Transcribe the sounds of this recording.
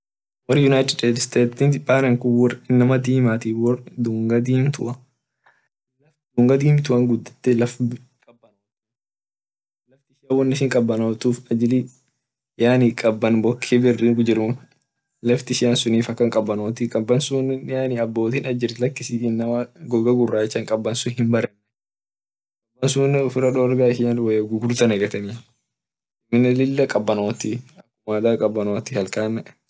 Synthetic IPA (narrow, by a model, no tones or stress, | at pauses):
wɐɾɪjʊnajt̪ɪeːt̪st̪eːt̪ːinbaːɾɛŋkʊɔrɪnːɐmɐd̪iːmaːt̪iːɔd̪uːŋɡɐd̪iːnt̪ʊʔɐ | lɐfd̪uːŋɡɐd̪iːmt̪ʊʔɐŋɡʊd̪ːɐ̥t̪ːɛlɐf | kʼɐbːɐnoː | lɐft̪ɪʃɪjɐwɔnːɪsɪŋkʼɐbːɐnoːt̪uːfɐd͡ʒɪli | jaːnikʼɐbːɐnbɔkʰːibɪrːɪɡʊd͡ʒɪɾʊ | lɐft̪ɪʃɪjɐnsʊniːfɐkːɐŋkʼɐbːɐnoːt̪ikʼɐbːɐnsuːnjaːniɐbːo̞ːt̪iːnɐd͡ʒɪɾlɐkːɪsiɪnːɐmɐɡɔɡɐɡʊrːaːt͡ʃːɐŋkʼɐbːɐnsʊhɪmbɐɾɛnːɛ | kʼɐbːɐnsuːnːɪʊfɪɾɐᶑɔːɾbaːɪʃɪɲɐlwɐjɐɡʊɡʊɾt̪ɐnɐɡɐt̪ɐni | mɪnːɛlɪlːɐkʼɐbːɐnoːt̪iɐkːʊmaːd̪aːkʼɐbːɐnoːt̪ɪhɐlkaːnːɛ